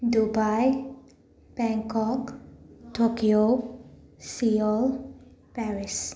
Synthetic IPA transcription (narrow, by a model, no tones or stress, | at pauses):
dubaj | b̥ɛŋkɔktokio | siɔlpɛɾis